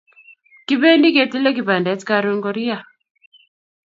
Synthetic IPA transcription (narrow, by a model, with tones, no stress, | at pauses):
ki˦be˦ndi˦ke˨ti˦lɛ˦k̬i˨ba˨ndɛ˨˦tka˨ɾu˦ŋɡɔ˨ɾi˦a˨